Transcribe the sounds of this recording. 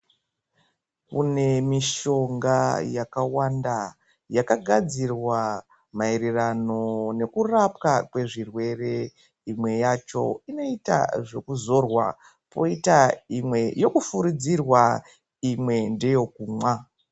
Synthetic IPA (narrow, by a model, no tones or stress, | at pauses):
kune̞miʃo̞ŋɡajakawanda | jakaɡʱad͡zirwa | maeɾirano̞ne̞kurapkakwe̞ʐirwe̞re̞ | imwe̞jat͡ʃo̞̰ino̞ita̰ʐe̞kuzo̞rwa̰ | po̞itaimwe̞jo̞kufuɾid͡zirwa | imwe̞nde̞jo̞kuːmwa